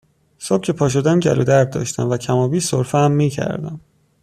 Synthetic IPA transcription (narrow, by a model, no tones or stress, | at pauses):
sob̥̚cʰe̞pʰɒːʃ̬od̪æmɟæ̰lod̪æɾ̚d̪ɒ̰ːʃt̪æmvæcʰæmɒːbiːsoɾfɛæmːiːcʰæ̰ɾd̪æ̰m